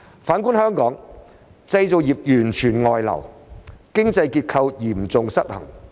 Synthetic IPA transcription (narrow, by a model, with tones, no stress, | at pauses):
faː˨˥nkuː˥nhœː˥ŋkɔː˨˥ŋ | t͡sɐ˧jt͡so˨wjiː˨p̚jyː˨˩nt͡ʃʰyː˨˩nŋɔː˨˧jlɐ̰˨˩wkɪ˥ŋt͡sɐ˧jkiː˧t̚kʰɐ˧wjiː˨˩m̩t͡sʊ˨˧ŋsɐ˥t̚hɐ̰˨˩ŋ